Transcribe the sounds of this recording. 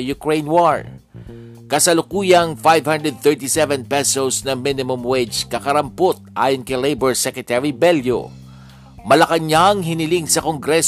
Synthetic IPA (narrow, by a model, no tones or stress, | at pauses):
jʊkɹejnwaɹ | kɐsɐlʊkuːjɐŋfajvhãnd̪ɹɛd̪̚θɛɹt̪isɛvɛ̃npɛsosnɐminɪmʊmwet͡ʃkɐkɐɾɐmpot̪̚ʔa̰ːjonkɐjlejbɛɹsɛkɹɛt̪ɛɹibɛljo̰ | mɐlɐkɐɲaŋɦɪnɪliŋsɐkoŋɡɾɛs